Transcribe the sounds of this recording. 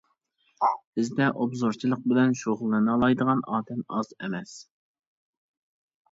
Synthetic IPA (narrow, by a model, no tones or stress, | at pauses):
bɪzd̪ɛʔobzoɾt͡ʃʰilˠəq̚bɪlɛnʃoʁʊlˠːɨnɨlˠɑjd̪əʁɑnɑːd̪ɛmɑzemɛs